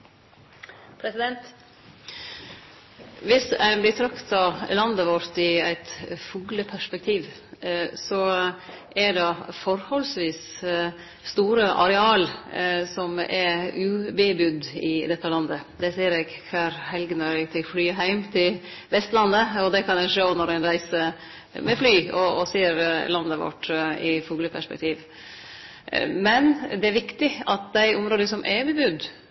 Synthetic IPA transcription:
pʰɾɛsɪd̪ɛnt̪ | ʋɪsæ̰ɪblɪt̪ʰɾɑkt̪ɑlɑnd̪əʋɔɾt̪ɪæ̰ɪt̪fuːləpʰæʂpɛk̚t̪ʰiːʋ | sɔ | ʔæɖɛfɔɾhɔlsʋiːs | st̪uːɾəʔɑ̰ɾɛɑːlsɔmɛʉːbebʉd̪ɪd̪ɛt̪ːəlɑnd̪əd̪ɛseːəɾɛːɡkʰɑːɾhɛlɡənɔɾɛɡt̪ʰɛflyːɦæɪmt̪ʰɪl | ʋɛst̪lɑnːəɔd̪ɛkʰɑnæʂoːnɔɾæɪnɾæɪsə | mɛflyːɔɔseːəɾlɑnd̪ːəʋɔ̰ʈːɪfuːɡləpʰæʂpɛ̰k̚t̪ʰiːʋ | mɛnd̪ɛæɾʋɪkt̪ɪɑt̪̚d̪æɪʔʊmɾoːd̪əsɔmʔɛbɛbʉd̪

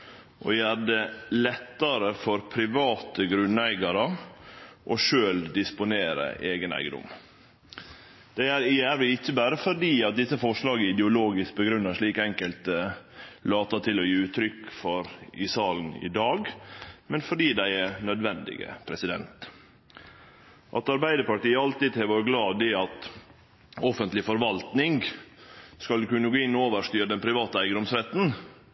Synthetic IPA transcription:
ʔɔ̰jæːɾɖ̪ɛlɛt̪ːɑɾəfɔɾpʰɾɪʋɑːt̪əɡɾʉnːæɪɡɑɾə | ʔɔʂøːld̪ɪspʊneːɾə̰ʔeːɡənæ̰ɪɡəd̪ʊ̰m | d̪̥æɪæɾɪjæːɾʋɪɪçːəbæːɾəfɔɖiːɑt̪̚d̪ɪsəfɔʂlɑːɡəɪd̪ɛʊloːɡɪsk̚bəɡɾʉnːəʂɭiːkɛŋkəlt̪ə | lɑːt̪ɑt̪ʰɪlɔjiːʉːt̪ʰɾʏkːfɔɾɪsɑːln̩ɪ̰d̪ɑːɡmɛnfɔɖiːd̪æɪɛɾnœd̪ʋɛnd̪ɪ̰ɡə̰pʰɾɛsɪd̪ɛ̰nt̪ | ʔɑt̪ɑɾbæɪd̪əɾpɑʈiːəɑlt̪ɪd̪hɛʋoɾɡlɑːd̪ɪɑt̪ | ɔfənt̪lɪfɔɾʋɑlt̪nɪŋ | skɑlkʉnːəɡoːɪnːɔoːʋəʂt̪yːɾd̪ɛnpʰɾɪʋɑːt̪əæɪɡəd̪ʊmsɾɛt̪n̩

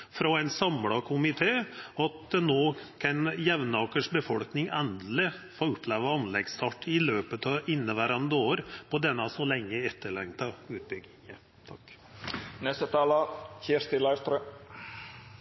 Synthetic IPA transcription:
fɾɔɛɪnsɑmɽɑkʰʊmɪt̪ʰeːɑt̪̚dɛnoːkʰɑnjɛʋnɑːkəʂbəfɔlknɪŋɛnd̪l̩ɪfoːʉpʰleːʋəɑnlɛɡst̪ʰɑːʈːɪløːpət̪ɑɪnːəʋæɾɑnd̪əoːɾpʰɔd̪ɛnːɑsɔlɛŋːəɛt̪ːəɭɛŋt̪ɑʉːt̪̚bʏɡ̪ɪŋə | t̪ʰɑk | nɛst̪ət̪ʰɑːlɑçeːʂt̪ɪlɑɪɾst̪ɾə

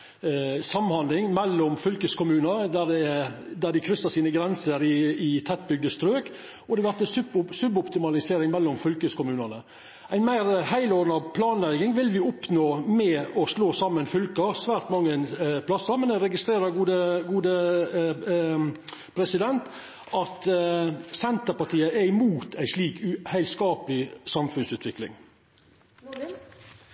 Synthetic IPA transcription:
sɑmːhɑnd̪lɪŋmɛlːɔmfʏlkəskʊmʉːnəɾd̪æd̪ɛd̪æɖ̪ɪkʰɾʏsɑsiːnəɡɾɛnsəɾɪɪt̪ʰɛt̪̚bʏɡ̚d̪əst̪ɾøːk | ɔd̪ɛʋæɾt̪ɛsʉbsʉbɔpt̪ɪmɑlɪseːɾɪŋmɛlːɔmfʏlkəskʊmʉːnənə | æɪnmæɪɾhæɪlɔɾnɑpʰlɑːnlæɡɪŋʋɪlʋɪʊpnoːmɛɔsloːsɑmːənfʏlkəsʋæːɾt̪mɑŋːənpʰlɑsəɾmɛnd̪æɾɛɡɪst̪ɾeːɾəɡuːd̪əɡuːd̪ə | pʰɾɛsɪd̪ɛnt̪ | ɑt̪ | sɛnt̪əɾpɑʈ̪ʰiːəʔɛɾɪmuːt̪ʰæɪsliːkʉhæɪlskɑːplɪsɑmfʉnsʉːt̪ʰʋɪklɪ̰ŋ

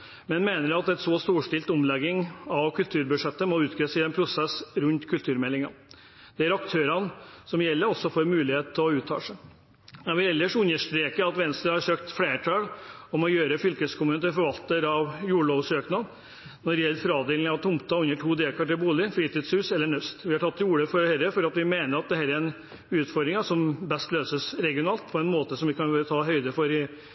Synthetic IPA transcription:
mɛnmeːnəɾɑt̪ɛt̪soːst̪uːʂʈɪlt̪ɔmlɛɡɪŋɑʋkʰʉlt̪ʰʉːɾbʉʂɛt̪ːəmɔʉːt̪ɡɾɛsəɛnpʰɾʊsɛsɾʉnt̪kʰʉlt̪ʰʉːɾmɛlːɪŋɑ | d̪ɛæɾɑkt̪ʰøːɾɑnsɔmjɛlːəɾɔsːɔfɔɾmʉːlɪheːt̪̚t̪ʰːɪɔʉːt̪ʰːɑ̰ːʂə | jæɪʋɪlɛlːəʂʉnːəʂt̪ɾeːkəɑt̪ʋɛnst̪ɾəhɑɾʂøːkt̪fleːʈʰɑlɔmɔjøːɾəfʏlkəskʰʊmənət̪ʰɪlfɔɾʋɑlt̪əɾɑʋjuːɖɭoːʋsøːknɑd̪ | nɔɖɪjɛlːəɾfɾɑːd̪eːlnɑʋt̪ʰʊmt̪ɑʉnːəʈʰuːd̪eːlkʰɑʈɪlbuːlɪfɾiːt̪iːd̪shʉːsɛlːəɳœst̪ʋɪhɑʈʰɑt̪ːjuːɽəfɔɾhɛɾəfɔɾɑt̪ʋɪmeːnəɾɑt̪̚d̪ɛhæːɾæɾn | ʉːt̪fɔɾd̪ɾɪŋɑʂɔmbɛst̪løːsəsɾɛɡɪʊnɑːlt̪pʰɔɛnmoːt̪əsɔmʋɪkɑnøɾt̪ʰɑːɦœʏd̪əfɔɾɪ

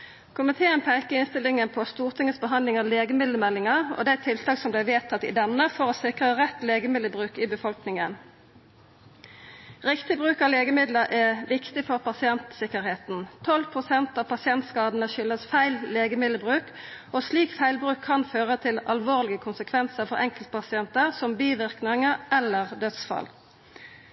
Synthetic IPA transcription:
kʰʊmɪt̪ʰeːənpʰæɪkəʁɪnst̪ɪlɪŋənpʰɔst̪uːʁt̪ʰɪŋəsbəɦɑnd̪lɪŋɑleːɡəmɪd̪ləmɛlːɪŋəʁɔ̰d̪æɪt̪ʰɪlt̪ʰɑːksɔmblæɪʋeːt̪ʰɑt̪ːɪ̰d̪ɛnːəfɔʁosɪkʁəʁɛt̪leːɡəmɪd̪əbʁʉːkɪbəfɔlknɪŋən | ʁɪkt̪ɪbʁʉːkɑʋleːɡəmɪd̪ləɾʔɛʋɪkt̪ɪfɔʁpɑsɪɛnt̪sɪkəʁheːt̪n̩t̪ʰɔlpʰʁʊsɛnt̪ɑːʋpɑsɪɛnt̪skɑːd̪ən̩əʃʏlːəsfæɪlleːɡəmɪd̪ləbʁʉːk | osliːkfæɪlbʁʉːkʰːɑnføːʁət̪ʰɪlɑlʋoːʁlɪɡəkʰʊnsəkʰʋɛnsəʁfɔʁɛŋkəlt̪̚pʰɑsɪɛnt̪əʁsɔmbiːʋɪʁknɪŋəʁʔɛlːəʁd̪œt̪sfɑ̰l

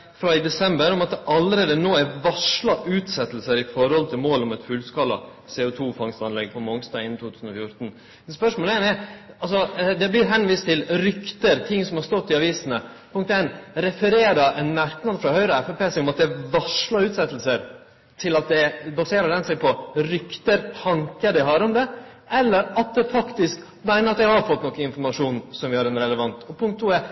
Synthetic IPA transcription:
fɾɑɪd̪ɛsɛmbəɾɔmɑt̪ʔɑlːəɾeːd̪ənoːɛɾʋɑʂlɑʔʉːt̪sɛt̪ːlsəɾɪfɔɾhɔlt̪ʰɪlmoːlɔmɛt̪fʉlskɑlːɑ̰ | seːʊt̪ʰuːfɑŋst̪ɑnlɛɡpʰɔmɔŋsd̪ɑːɡɪnːnt̪ʰuːt̪ʰʉːsn̩ɔfjʊɾt̪n | mɛnspœʂmoːlɛnɛɾɑlsɔd̪ɛblɪɾɦɛnʋiːst̪ʰːɪlɾʏkt̪əɾt̪ʰɪŋːsɔmhɑɾʂst̪ɔt̪ːɪɑʋiːsənə | pʰʊŋk̚t̪ɛnɾɛfəɾeːɾəʔɛnmæɾknɑd̪fɾɑhœʏɾəɛfɛpeːsɛɪɔmɑt̪̚d̪ɛʋɑʂlɑɾʉːt̪sɛt̪ːlsəɾ | t̪ʰɪlɑt̪̚d̪ɛbɑseːɾəɖ̪ɛnsɛɪpʰɔɾʏkt̪əɾhɑŋkəɖ̪ɪɦɑɾɔmd̪ɛ | ɛlːəɾɑt̪̚d̪ɛfɑkt̪ɪsk | mæɪnəɾɑt̪̚d̪æɪhɑɾfɔt̪ːnɔkːəɪnfɔɾmɑʂuːnsɔmʋɪhɑɾɛnɾɛləʋɑnt̪ɔpʰʊŋkt̪ʰːuːɛ

